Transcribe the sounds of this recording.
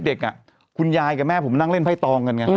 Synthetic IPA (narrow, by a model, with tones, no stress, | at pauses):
de˨˩k̚ʔa˨˩ | kʰu˧njaː˧jkaː˨˩mɛː˥˩pʰo˩˦mna˥˩ŋle˥˩npʰa˥˩jt̪ɔː˧ŋka˧nŋa˧˥